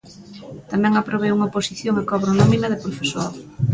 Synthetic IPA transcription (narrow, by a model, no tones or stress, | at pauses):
t̪amɛ̃ŋapɾoβ̞ejuŋɐposiθjoŋekɔβɾonɔmĩnɐðɪpɾofesoɾ